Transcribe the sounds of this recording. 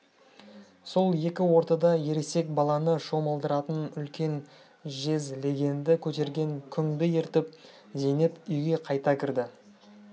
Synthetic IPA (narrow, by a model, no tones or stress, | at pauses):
so̞lˠje̞kʲɪwo̞ɾt̪ɑd̪ɑje̞ɾese̞k̚bɑlˠɑnəʃo̞məlˠd̪əɾɑt̪ənʏlkʲe̞n | ʒe̞zle̞ɡʲe̞nd̪ɪkʲʰɵt̪e̞ɾɡʲe̞ŋkʲʰʏŋd̪ɪjeɾt̪ɪp̚ | ze̞nepʏjɡʲe̞qʰɑjt̪ɑkʲʰɪɾd̪ɪ